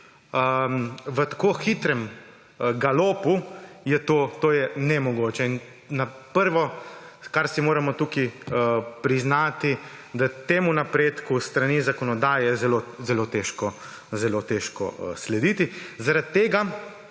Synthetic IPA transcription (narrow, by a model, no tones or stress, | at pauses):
əʋət̪ḁkoːxit̪ɾɛm | ɡaloːpujɛt̪oːt̪oːjɛnɛmɔɡoːt͡ʃɛin | napəɾʋɔkaɾsimoːɾamɔt̪uki | pɾiznaːt̪id̪at̪eːmunapɾeːt̪kust̪ɾanizakɔnɔd̪aːjɛzɛlozɛlot̪eʃkɔ | zɛlot̪eʃkɔ̰slɛd̪iːt̪izaɾat̪̚t̪ːeːɡa